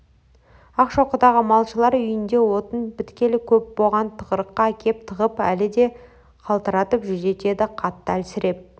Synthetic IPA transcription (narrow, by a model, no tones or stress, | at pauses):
ɑqʃoqəd̪ɑʁəmɑlˠʃəlˠɑɾʏjɪnd̪e̞wo̞t̪ənbɪt̪kʲe̞lɪkʲʰɵp̚boʁɑnt̪ʰəʁəɾəqːɑækʲʰe̞p̚t̪ʰəʁəpæ̰lɪd̪e̞ | qʰɑlˠt̪əɾɑt̪əpʒʏze̞t̪e̞d̪ɪqʰɑt̪ːəælsɪɾe̞p̚